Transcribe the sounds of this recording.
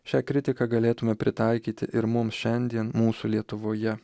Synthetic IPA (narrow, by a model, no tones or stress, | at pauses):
ʃʲæːkɾʲɪt̪ʲɪkɑɡɐlʲeːt̪ʊmʲɛpʲɾʲɪt̪ɐɪkʲiːt̪ʲɪʔɪɾmʊmsʃʲɛnʲd̪ʲiɛnmuːsuːlʲiɛt̪ʊʋoːjɛ